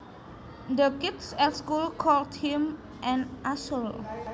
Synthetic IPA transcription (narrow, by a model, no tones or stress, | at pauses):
d̪əkitsɛtskulkʰɔlthĩm | ʔɛ̃nʔasəl